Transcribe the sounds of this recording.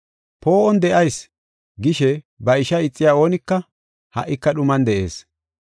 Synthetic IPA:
po̞ːʔɔnd̪ɛʔɐjs | ɡɪʃɛ | bɐɪʃɐɪt͡sʼːɪjaːo̞ːnɪkːɐ | hɐ̰ʔːɪkːɐɗʊmɐnd̪ɛʔe̞̰ːs

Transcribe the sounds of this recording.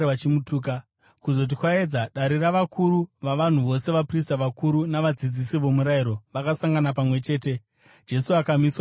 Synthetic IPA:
at͡ʃimutuːka | kuzo̞t̬ikwae̞d͡zaɗaɾiraʋakʰuɾuʋaʋan̤uʋo̞se̞ʋapristaʋakuɾunaʋad͡zid͡zisiʋo̞muɾaiɾo̞ʋakasaŋɡanapamwe̞t͡ʃe̞ːte̞ | d͡ʒe̞suakamiswa

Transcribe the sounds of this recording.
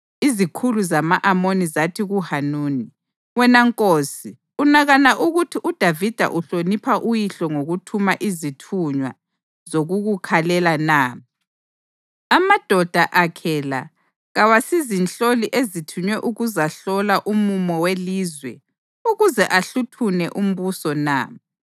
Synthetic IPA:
izikʰuluzamaʔamonizatʰiɣuhanuːni | wɛnaŋkʼosi | unaɣanaʔuɣutʰiʔud̥ʱavid̥ʱa̰ʔuɬonipʰaʔujiɬɔŋoɣutʰumaʔizitʰuɲwa̰ | zoɣuɣukʰalɛlanaː | amad̥ʱɔd̥ʱaʔakʰɛla̰ | ɣawasizinɬoliʔezitʰuɲwɛʔuɣuzaɬɔlaʔumumɔweliːzwɛ̰ | uɣuzɛʔaɬutʰunɛʔum̩βusɔna̰ː

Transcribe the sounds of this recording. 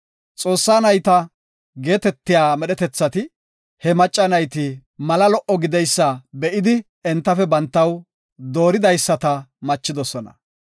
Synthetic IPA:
t͡sʼo̞ːsːaːnɐjt̪ɐ | ɡe̞ːt̪ɛt̪ːɪjaːmɛɗɛt̪ɛt͡sːɐt̪ɪ | hɛmɐt͡ʃʼːɐnɐjt̪ɪmɐlɐlɔʔɔɡɪd̪ɛjsːɐbɛʔɪd̪ɪ | ɛnt̪ːɐfɛbɐnt̪ːɐw | d̪o̞ːɾɪd̪ɐjsːɐt̪ɐmɐt͡ʃːɪd̪ɔsɔnɐ̰

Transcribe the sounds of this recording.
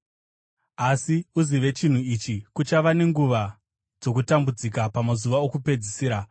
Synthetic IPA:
asiuziʋe̞t͡ʃin̤uit͡ʃikut͡ʃaʋane̞ŋɡuʋa | d͡zo̞kutambud͡zikapamazuʋao̞kupe̞d͡zisiːɾa

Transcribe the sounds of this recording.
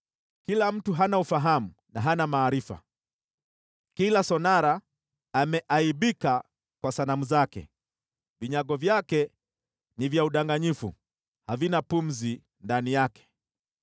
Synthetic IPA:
kilam̩tuɦanaufaɦamunaɦanamaːɾifa̰ | kilasɔnaɾaː | mɛʔaiɓika | kwasanamuzakɛ̰ | viɲaɠɔvjakɛ | nivjauɗaŋɡaɲifṵ | havinapum̩zi | ndanijakɛ̥

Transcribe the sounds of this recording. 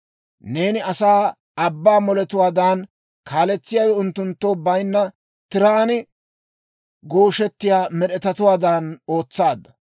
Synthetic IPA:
ne̞ːnɪɐsaː | ɐbːaːmɔlɛt̪ʊwaːd̪aːn | kʰaːlɛt͡sːɪjaːwɛʊnt̪ːʊnt̪ːoːbɐjnːɐ | t̪ɪɾaːnɪ | ɡoːʃɛt̪ːɪjaːmɛɗɛt̪ɐt̪ʊwaːd̪aːno̞ːt͡sːaːd̪ːɐ̥

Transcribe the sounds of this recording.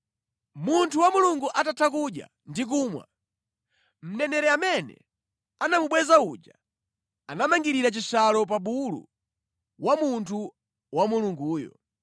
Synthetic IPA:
muntʰuwamuluŋɡuʔatatʰak̬uɗja̰ | ndik̬uːmwa̰ | m̩nɛnɛɾɛamɛnɛ̰ | anamuɓwɛzaud͡ʒa | anamaŋɡiɾiɾat͡ʃisalɔp̬aɓulṵ | wamuntʰu | wamuluŋɡuːjɔ̰

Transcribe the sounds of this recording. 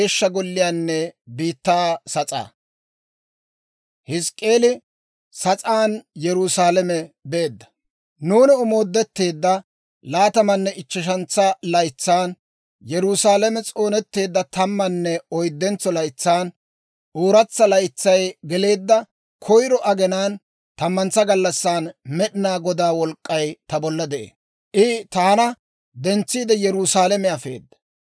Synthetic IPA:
eːʃːɐɡɔlːɪjaːnːɛbiːt̪ːaːsɐt͡sʼa̰ː | hɪskʼːe̞ːlɪ | sɐt͡sʼaːnjɛɾʊsaːlɐmɛbe̞ːd̪ːɐ̥ | nuːnɪʊmo̞ːd̪ːɛt̪ːe̞ːd̪ːɐ | laːt̪ɐmɐnːɛʔɪt͡ʃːɪʃ̬ɐnt͡sːɐlɐjt͡sːaːn | jɛɾʊsaːlɛmɛt͡sʼo̞ːnɛt̪ːe̞ːd̪ːɐt̪ɐmːɐnːɛɔjd̪ːɛnt͡sːɔlɐjt͡sːaːn | ʔoːɾɐt͡sːɐlɐjt͡sːɐjɡɛle̞ːd̪ːɐ | kʰɔjɾɔʔɐɡɛnaːn | t̪ɐmːɐnt͡sːɐɡɐlːɐsːaːnmɛɗɪnaːɡɔd̪aːwɔlkʼːɐjt̪ɐbɔlːɐd̪ɛʔḛː | ʔɪt̪aːnɐ | d̪ɛnt͡sːiːd̪ɛjɛɾusaːlɛmɛɐfe̞̰ːd̪ːɐ̥

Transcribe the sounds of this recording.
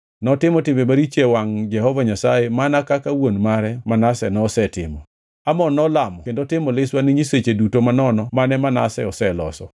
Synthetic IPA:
nɔtɪmɔtɪmemaɾit͡ʃewaŋd͡ʒɛhɔvaɲasajemanakakawonmaɾɛmanasɛnɔsɛtɪ̰mɔ̰ | amɔnɔlamɔkendotɪmɔlɪswaniɲiset͡ʃedutomanɔnɔmanɛmana̰sɛ̰ɔsɛlɔsɔ

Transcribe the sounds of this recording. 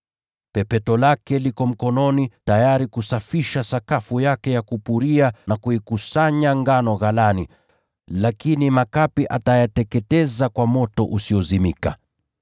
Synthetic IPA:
pɛpɛtɔlakɛlikɔm̩kɔnɔnitajaɾikusafiʃasakafujakɛjakupuɾianakuikusaɲaŋɡanɔɣalani | lakinimakapiʔatajatɛkɛtɛzakwamɔtɔʔusiɔzimika̰

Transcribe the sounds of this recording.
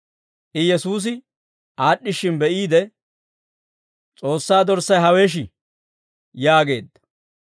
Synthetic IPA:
ʔɪjɛsuːs̬ɪ | ʔaːɗːɪʃːɪnbɛʔiːd̪ɛ | t͡sʼo̞ːsːaːd̪ɔɾsːɐjɦɐwe̞ːʃ̬ɪ | jaːɡe̞̰ːd̪ːɐ̥

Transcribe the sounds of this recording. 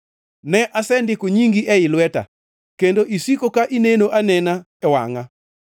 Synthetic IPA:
nɛʔasɛndɪkoɲiŋɡiʔɛɪlwɛta̰ | kendoʔisikokaʔinenoʔanɛna | ɛwa̰ŋa

